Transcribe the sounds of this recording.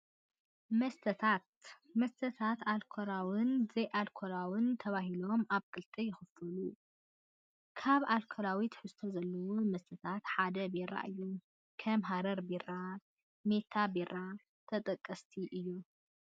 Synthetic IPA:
mɐst̪ʰɐt̪ʰat̪ | mɐst̪ʰɐt̪ʰat̪alkʰoɾawɨnzɐjʔalkʰolawɨnt̪ʰɐβaɦilo̞maβkʼɨlt̪ʼijɪxɨfɐlu | kʰaβalkʰolawit̪ħɨst̪ʰozɐlːɐwumɐst̪ʰɐt̪ʰat̪ħad̪ɐbeɾa̰ʔɨjːu | kʰɐmɦaɾɐɾbeɾa | me̞t̪ʰabeɾa | t̪ʰɐt̪ʼɐkʼːɐst̪ʰiʔɨjːu

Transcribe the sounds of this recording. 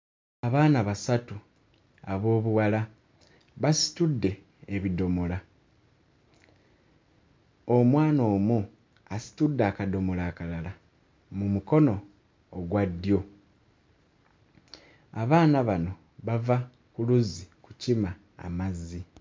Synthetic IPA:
aβaːnaβasatu | aβo̞ːβuwala | βasi̥tudːe̞ː | βido̞mola | omwaːno̞ːmu | asi̥tudːakado̞molaːkalala | mumuko̞no̞ː | ɡwadːjo̞ | aβaːnaβano̞ | βava | kuluziku̥cima̰ː | mazːi

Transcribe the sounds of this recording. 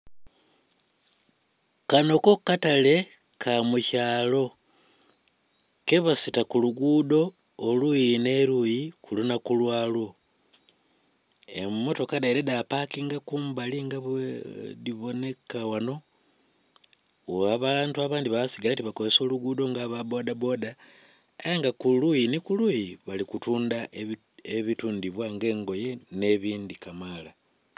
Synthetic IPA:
kano̞ko̞katale̞ | kʰamucaːlo̞ | ke̞βasitakuluɡuːdo̞ː | lujine̞ɾujikulunakulwaːlwo̞ | ḛmːo̞to̞kadaiɾe̞dapakiŋɡakuːmbaliŋɡaβediβo̞ne̞kawano̞ | oaβantuaβaːndiβaβsiɡalatiβakozeso̞ːluɡudo̞ŋɡaβabo̞dabo̞da | ejaŋɡakulujinikulujiβalikutuːndaʔe | eβituːndiβwaŋɡe̞ːŋɡo̞je̞ne̞βiːndikamala

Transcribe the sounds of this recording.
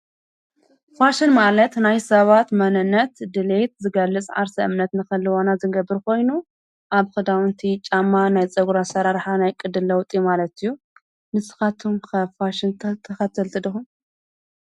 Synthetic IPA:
faʃɪnmalɐt̪najsɐβat̪mɐnɨnːɐt̪d̪ɨlet̪zɨɡɐlːɨt͡sʼʕa̰ɾsɐʔɨmnɐt̪nɨkɐlːɨwonazɨɡɐbːɨɾkʰo̞jnu | ʔaβxɨd̪awɨnt̪ʰit͡ʃʼamːanajt͡sʼɐɡuɾasɐɾaɾħanajkʼɨd̪ɨlːɐwt̪ʼiumalɐt̪ɨjːu | mɨsɨ̥xat̪ʰumkʰɐfaʃɪnt̪ʰɐxɐt̪ʰːɨlt̪ʰɨd̪ɨxum

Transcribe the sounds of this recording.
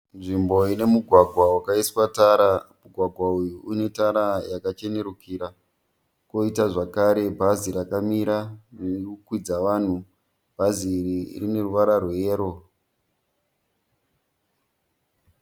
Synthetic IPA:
nʐimbo̞ine̞muɡʱwaɡʱwawakaiswataːɾamuɡʱwaɡʱwaujuune̞taɾajakat͡ʃe̞ne̞ɾukʰiɾa | ko̞itaʐakaɾe̞bʱazirakamiɾanekukwid͡zaʋaːn̤u | bʱaziːririne̞ruʋaɾarweːɾo̞

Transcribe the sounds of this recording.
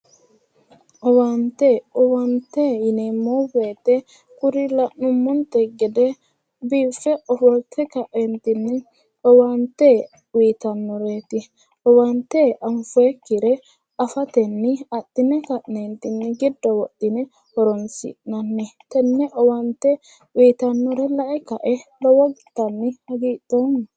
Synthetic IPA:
ʔɔwant̪ɛɔwant̪ejɪneːmːɔweːt̪ɛ | kʊɾɪlɐʔnʊmːɔnt̪ɛɡɛd̪ɛ | biːfːɛʔɔfɔlt̪ʰɛkɐʔent̪ɪnːɪ | ɔwant̪ɛ | wiːt̪ɐnːɔɾeːt̪ɪ | ɔwɐnt̪ːɛʔɐɱfɔɛkːɪɾɛ | ɐfɐt̪ɛnːɪɐtːɪnɛkɐʔnent̪ɪnːɪɡɪd̪ːɔwɔtːɪnɛ | hɔɾɔnsɪ̰ʔnɐnːɛt̪ɛnːɛʔɔwɐnt̪ːɛ | wiːt̪ɐnːɔɾɛlɐʔɛkɐʔɛlɔwɔɡt̪ːɐnːɪhɐɡiːt̪ːoːn

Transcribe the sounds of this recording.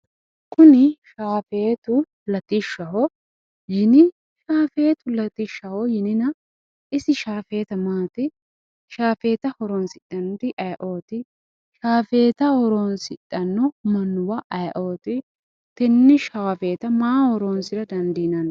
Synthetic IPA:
kʊnɪʃaːfeːt̪ʊ | lɐt̪ɪʃɐɦɔ | jɪnɪ | ʃaːfe̞ːt̪ʊlɐt̪ɪʃːɐhɔjɪnɪnɐ | ʔɪsɪʃaːfe̞ːt̪ɐmaːt̪ɪ | ʃaːfe̞ːt̪ɐhɔɾoːnsɪᶑʼɐnt̪ɪʔɐjʔo̞ːt̪ɪ | ʃaːfe̞ːt̪ɐhɔɾoːnsɪtʼːɐnːɔmɐnːʊwɐʔɐjʔo̞ːt̪ɪ | t̪ɛnːɪʃaːfe̞ːt̪ɐmaːhɔɾoːnsɪɾɐd̪ɐnd̪iːnɐn

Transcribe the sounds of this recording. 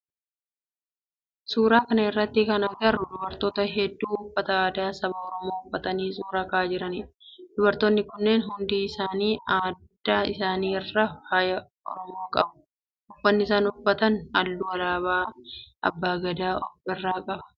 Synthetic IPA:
suːɾaːkɐnɐɪrːɐt̪ːɪkɐnɐɡɐrːʊd̪ʊbɐɾt̪oːt̪ɐɦɛd̪ːuːʊfːɐt̪ɐaːd̪aːsɐbaɔɾɔmo̞ːʊfːɐt̪ɐniːs̬uːɾaːkaːd͡ʒɪɾɐnid̪̥ʊbɐɾt̪oːnːɪkʊnːeːnɦʊnd̪iːɪsaːniːaːd̪ːaːɪsaːniːɛrːɐhaːjɐ | ʔɔ̰ɾɔmo̞ːkʼɐbʊ̥ | ʊfːɐnːɪɪsaːnʊfːɐt̪ɐnɐ̰lːʊɐlaːβaːʔɐ̰bːaːɡɐd̪aːʔɔfɪrːaːkʼɐbɐ̥

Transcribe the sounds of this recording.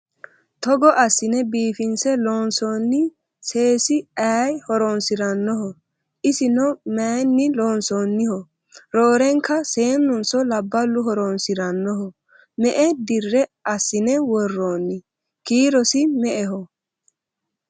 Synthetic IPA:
t̪ɔɡɔʔɐsːɪnɛbiːfɪnsɛloːnsoːnːɪ | se̞ːsɪajhɔɾɔnsɪɾɐnːɔɦɔ | ʔɪsɪnɔmanːɪloːnsoːnːɪhɔ | ɾoːɾɛŋkːɐse̞ːnːʊnsɔlɐbːɐlːʊɦɔɾɔnsɪɾɐnːɔɦɔ | mɛʔɛd̪ɪrːɛɐsːɪnɛwɔrːoːnːɪ | kiːɾɔsɪmɛʔɛɦɔ

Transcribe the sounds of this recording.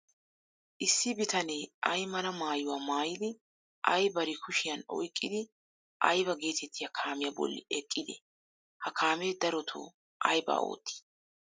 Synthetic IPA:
ʔɪsːɪbɪt̪ɐneːʔɐjmɐnɐmaːjʊwaːmaːjɪd̪ɪ | ʔɐjbɐɾɪkʊʃɪjɐnɔ̰jkʼːɪd̪ɪ | ʔɐjbɐɡe̞ːt̪ɛt̪ːɪjɐkʰaːmɪjɐbɔ̰lːɪ̰ɛkʼːɪd̪ɛ̰ | hɐkʰaːmeːd̪ɐɾɔt̪ʰo̰ | ʔɐjbɐ̰ːo̰ːt̪ʰːi̥

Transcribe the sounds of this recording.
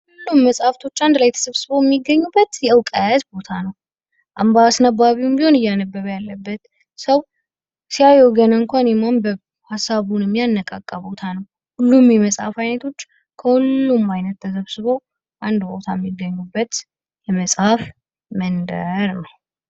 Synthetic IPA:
hulːumːəsʼhaft̪ʰo̞t͡ʃːand̪lajt̪ʰə̥səβsɨβojɛmːiɡːəɲːubːət̪jɛəwkʼəzbo̞t̪ʰanəw | ʔambasnabaβiwumbiho̞nɨjːanəbːəβəjalːəbːət̪ | səw | siajoɡənəŋkʷanɛmambə | hasːaβunəmːjanːəkʼakʼːabo̞t̪ʰanəw | hulːumjɛməsʼha̰fajnət̪ʰo̞t͡ʃː | kʰəhulːumːajnət̪ːʰəsəβsɨβow | ʔand̪bo̞t̪ʰajɛmːiɡːəɲːubːət̪ | jɛməsʼhaf | mənd̪əɾnəw

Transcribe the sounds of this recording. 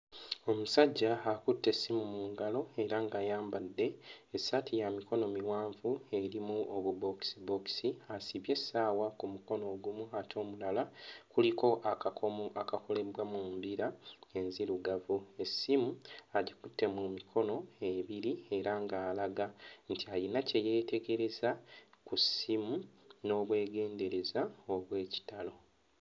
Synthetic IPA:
o̞musaɟːaːkutːe̞sːimumuːŋɡalo̞e̞ɾaŋɡaːjaːmbadːe̞ːsatʰijamiko̞no̞miwaːɱvue̞ɾimuoβubo̞ksibo̞ksiasiβje̞sːaːwakumuko̞no̞ːɡumuatʰo̞ːmulalakuliko̞ʔaakako̞le̞βwamuːmbiɾae̞nziɾuɡavue̞sːimuaɟikutːe̞mumikʰo̞no̞eβiɾie̞ɾaŋɡaːlaɡantiajinace̞je̞ːte̞ɡe̞ɾe̞zakusimuno̞ːβwe̞ːɡe̞ːnde̞ɾe̞zao̞βwe̞ːci̥talo̞

